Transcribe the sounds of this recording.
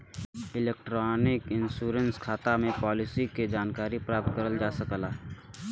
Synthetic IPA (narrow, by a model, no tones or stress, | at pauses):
ɪlek̚ʈɾɔːnɪkɪnsuːɾənskʰaːt̪amẽpɔːlɪsiked͡ʒaːnkaːɾipɾaːp̚t̪̚kəɾəld͡ʒaːsəkəlaː